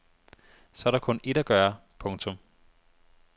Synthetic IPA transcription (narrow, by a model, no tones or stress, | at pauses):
sɒɾɑ̈kʰɔ̽niɾɐɡ̥ɶɐpʰɔ̽ŋt͡sʰɔ̽m